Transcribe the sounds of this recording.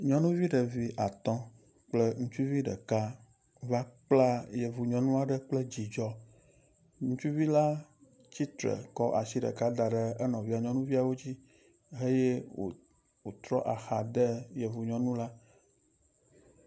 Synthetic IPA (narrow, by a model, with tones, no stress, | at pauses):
ɲɔ̃˦nũ˦vi˦ɖə˨vi˨˦ʔa˨t̪ɔ̃˦ | k͡plə˦ŋũ˦t͡ʃu˦vi˦ɖə̰˨ka˦ | va˦k͡pla˦jɛ˨vu˨ɲɔ̃˨nũ˦a˨ɖə˦k͡plɛ˦d͡ʑi˨d͡ʒɔ˦ | ŋũ˦t͡ʃu˦vi˦la˦ | t͡ɕi˦t̪ɾə̰˨kɔ˦ʔa˨si˦ɖə̰˨ka˦d̪a˨ɖɛ˦ɛ˦nɔ̃˨vi˦a˨ɲɔ̃˦nũ˦vi˦a˨wo˦d͡ʑi˦ | ɦe˦je˦o̰˨ | wo˨t̪ɾɔ˦ʔa˨xa˨d̪ə˦jɛ˨vu˨ɲɔ̃˨nũ˦la˦